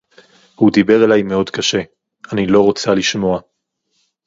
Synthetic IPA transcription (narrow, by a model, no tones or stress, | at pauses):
hudibe̞ʁelajme̞o̞dkaʃe̞ | anilo̞ʁo̞t͡saliʃmo̞a